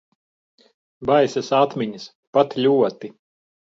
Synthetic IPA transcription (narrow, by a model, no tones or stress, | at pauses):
bajsɛsat̪mʲiɲis | pat̪ʎʲuɔt̪i